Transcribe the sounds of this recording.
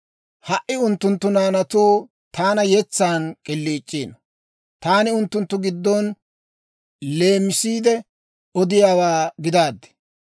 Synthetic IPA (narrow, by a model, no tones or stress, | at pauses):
hɐʔɪʊnt̪ːʊnt̪ːʊnaːnɐt̪uː | t̪aːnɐjɛt͡sːaːnkʼɪlːiːt͡ʃʼːiːnɔ | t̪aːnɪʊnt̪ːʊnt̪ːʊɡɪd̪ːɔn | le̞ːmːɪsiːd̪ɛ | ɔd̪ɪjaːwaːɡɪd̪aːd̪ːɛ̥